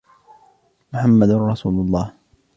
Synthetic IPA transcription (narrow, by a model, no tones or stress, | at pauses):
mʊħamːad̪nɾˤɑsuːlʊlˤːɑːh